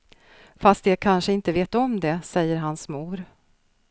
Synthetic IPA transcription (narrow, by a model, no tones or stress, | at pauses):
fast̪jɛkʰanʂəɪnt̪əveːt̪ɔmd̪ɛsɛjːəɾɦansmuːɾ